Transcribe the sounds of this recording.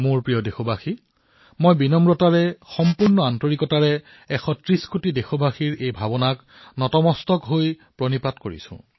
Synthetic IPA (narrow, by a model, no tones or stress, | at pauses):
mʊɹpɹijɔdexobʱaxi | mojbinɔmɹɔtaɹɛxɔmpuɹnɔantoɹikɔtaɹɛ | ɛxɔtɹiskʰotidexobʱaxiɹejbʱabɔnak | nɔtɔmɔstɔkɦoj | pɹɔnipatkoɹḭsʊ̰̃